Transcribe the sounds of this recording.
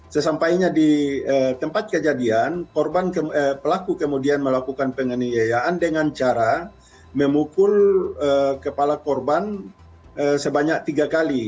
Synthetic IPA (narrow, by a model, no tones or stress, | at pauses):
səsampaiɲadiət̪əmpat̪̚kəd͡ʒadiankɔrbankəəpəlakukəmudianməlakukanpəŋənijajaːndəŋant͡ʃaɾa | məmukʊləkəpalakɔrban | əsəbaɲak̚t̪iɡakali